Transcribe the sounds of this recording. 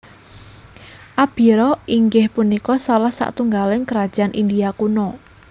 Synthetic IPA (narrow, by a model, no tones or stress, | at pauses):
ʔab̥i̤ɾɔʔiŋɡɪhpunikɔsalahsa̰ʔt̪uŋɡalɪŋkəɾad̥ʒ̥anʔind̪iakunɔ